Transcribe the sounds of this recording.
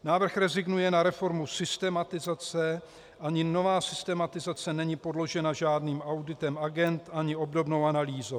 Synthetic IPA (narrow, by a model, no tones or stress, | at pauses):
naːvr̩xɾɛzɪɡnujɛnaɾɛfo̞ɾmusɪst̪ɛmat̪ɪzat͡sɛ | ʔaɲɪno̞vaːsɪst̪ɛmat̪ɪzat͡sɛnɛɲɪpo̞dlo̞ʒɛnaʒaːdniːmawdɪt̪ɛmaɡɛnt̪ʔaɲɪo̞bdobno̞wanaliːzow